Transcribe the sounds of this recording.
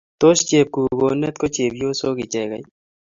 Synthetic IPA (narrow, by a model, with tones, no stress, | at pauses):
t̪o˦ʃt͡ʃe˨p̚kuː˨ɡoː˨ne˦t̪̚ko˦t͡ʃeː˨bjoː˦soː˦ɡi˨t͡ʃɛ˦˨ɡɐ˨i˦